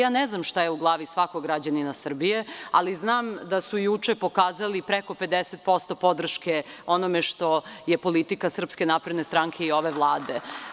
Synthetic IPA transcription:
jaːneznamʃt̪ajeuɡlˠaːʋisʋakoɡɾad͡ʑaninasr̩bijea̰liznaːmd̪asujut͡ʂepo̞kaːzalipɾeko̞pe̞d̪eset̪̚po̞st̪o̞po̞d̪r̩ʃkeo̞nomeʃt̪o̞jepo̞lit̪ikasr̩pskenapɾed̪ne̞st̪ɾaŋkʰe̞io̞ʋeʋlˠaːd̪e

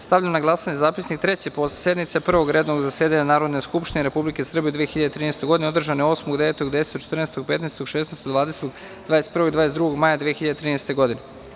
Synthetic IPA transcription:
st̪aʋʎamnaɡlˠasaɲezaːpisnik̚t̪ɾe̞t͡ɕeposse̞d̪nit̪sepr̩ʋoɡɾeːd̪noɡzaseːd̪aɲanaːɾo̞d̪neskupʃt̪ineɾepublikesr̩bied̪ʋijexiʎad̪et̪ɾiːnest̪e̞ɡo̞d̪ineo̞d̪r̩ʒaneo̞smoɡd̪e̞ʋeːt̪oɡd̪eese̥t̪ot͡ʃe̥t̪rneːst̪oɡ̚pe̞t̪nest̪oɡʃeːsneːst̪od̪ʋaːd̪eset̪oɡ | d̪̥vaːjest̪̚pr̩ʋoid̪vaːesd̪ɾuɡoɡmajad̪ʋijexiʎad̪et̪ɾiːneːst̪e̞ɡo̞d̪ine

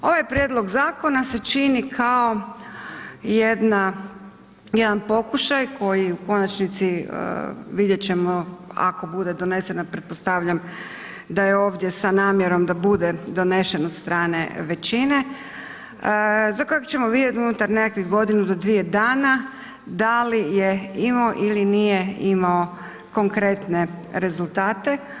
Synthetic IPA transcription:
o̞ʋajpɾjed̪lˠo̞ɡzaːko̞nase̞t͡ʃinikʰao̞ | jed̪na | je̞d̪anpo̞kuʃajko̞jiuko̞nat͡ʃnit̪sḭ | ʋid̪je̞t͡ɕe̞mo̞a̰ko̞bud̪e̞d̪o̞ne̞senapɾet̪̚po̞st̪aʋʎam | d̪ajeo̞ːʋd̪ʲje̞sanaːmjeɾo̞md̪abud̪e̞d̪o̞ne̞ʃe̞nod̪st̪ɾaːne̞ʋe̞t͡ɕine̞ | zakojekt͡ʃe̞mo̞ʋid̪ʲjet̪unut̪aɾnekakʋiɡo̞d̪inud̪o̞d̪ʋije̞d̪aːna | d̪alijeimaoʔilinije̞imao | ko̞ŋkɾe̞t̪ne̞ɾe̞zulˠt̪aːt̪e̞

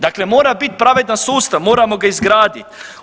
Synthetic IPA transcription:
d̪aklemoːɾabit̪̚pɾaʋed̪nasuːst̪aʋmo̞ːɾamo̞ɡaizɡɾaːd̪it̪

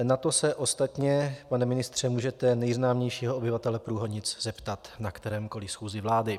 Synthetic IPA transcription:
nat̪o̞sɛʔost̪at̪ɲɛpanɛmɪnɪst̪r̝̥ɛmuːʒɛt̪ɛnɛjznaːmɲɛjʃiːɦoobɪvat̪ɛlɛpɾuːɦodɲɪt͡sz̥ɛpt̪at̪nakt̪ɛɾɛːmko̞lɪsxuːzɪvlaːdɪ

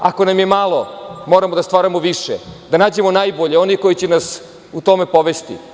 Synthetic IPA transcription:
a̰ko̞namjemalˠo̞mo̞ːɾamod̪ast̪ʋaːɾamoʋiʃḛd̪anaːd͡ʑe̞mo̞naːjboʎeo̞niko̞jit͡ɕenas | ut̪o̞me̞poʋest̪ḭ

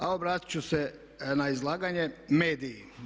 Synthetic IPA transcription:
aobɾaːt̪i̥t͡ɕuse | naizlˠaːɡaɲemeːd̪ii

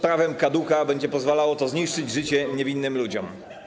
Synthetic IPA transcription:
pɾavɛmkad̪ukabɛɲd͡ʑɛpɔzvalawɔt̪ɔzɲiʂt͡ʂɘd͡ʑʐɘt͡ɕɛɲɛvʲinːɘmlud͡ʑɔm

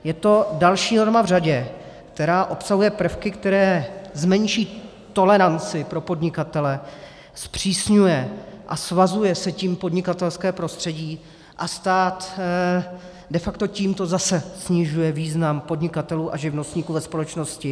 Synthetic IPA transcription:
jɛt̪o̞dalʃiːno̞ɾmavr̝aɟɛ | kt̪ɛɾaːʔo̞psaɦujɛpr̩fkɪkt̪ɛɾɛːzmɛɲʃiː | t̪o̞lɛɾant͡sɪpɾo̞po̞dɲɪkat̪ɛlɛ | spr̝̥iːsɲujɛʔasvazujɛsɛciːmpo̞dɲɪkat̪ɛlskɛːpɾo̞st̪r̝̥ɛɟiː | ʔast̪aːt̪ | dɛfakt̪o̞ciːmt̪o̞zasɛsɲɪʒujɛviːznampo̞dɲɪkat̪ɛluːʔaʒɪvno̞st̪ɲiːkuːvɛspo̞lɛt͡ʃno̞scɪ

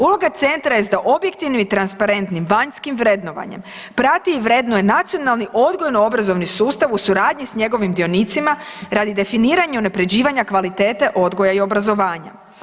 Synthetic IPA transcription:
ulˠo̞ɡat̪se̞nt̪ɾajezd̪aʔo̞bjek̚t̪iʋnimit̪ɾanspaɾe̞nt̪nimʋaɲskimʋɾe̞d̪no̞ʋa̰ɲe̞̰m | pɾat̪iʋɾe̞d̪nojenat̪sijo̞nalˠniʔo̞d̪ɡo̞jnoo̞bɾazo̞ʋnisuːst̪aʋusuɾaːd̪ɲisɲe̞ɡo̞ʋimd̪io̞nit̪simaɾad̪id̪e̞finiːɾaɲeunapɾe̞d͡ʑiːʋaɲakʋalit̪e̞ːt̪e̞ʔo̞d̪ɡo̞jaio̞bɾazo̞ʋaːɲa̰

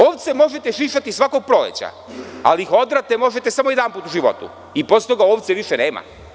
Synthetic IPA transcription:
o̞ːʋt̪semo̞ʒe̞t̪eʃiʃat̪isʋako̞ɡ̚pɾo̞lḛt͡ɕa̰ | a̰liixod̪ɾat̪emo̞ʒet̪esamojed̪anpuːt̪uʒiʋo̞̰t̪ṵ | iposet̪oɡaoːʋt̪seʋiʃeneːma̰

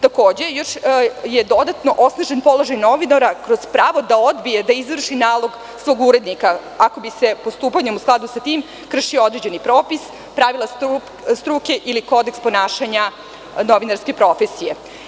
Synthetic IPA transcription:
t̪ako̞ːd͡ʑe̞jo̞ʃjed̪o̞d̪at̪no̞ʔo̞snaʒenpo̞lo̞ʒajno̞ʋinaɾakɾo̞z̥pɾaːʋo̞d̪aod̪bije̞d̪aizʋr̩ʃinaːlˠo̞ɡ | sʋo̞ɡuɾe̞d̪nikaako̞bise̞po̞st̪uːpaɲemusklˠad̪usat̪iːm | kr̩ʂiood̪ɾe̞d͡ʑe̞nipɾo̞ːpis | pɾaʋilˠasu | st̪ɾuːke̞ʔiliko̞d̪ekspo̞naːʃaɲa | no̞ʋinaɾske̞pɾo̞fe̞sije̞

